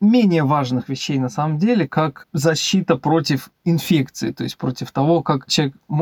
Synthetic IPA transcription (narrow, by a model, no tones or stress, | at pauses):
mʲenʲɪjəvaʐnɨxvʲɪɕːejnɐsaməmdʲelʲɪkakzɐɕːit̪əpɾo̞tʲɪf | ɪnfʲekt̪sɨɪ̰t̪o̞jɪsʲt̚ʲpɾo̞tʲɪft̪ɐvo̞kakt͡ɕɪɐekm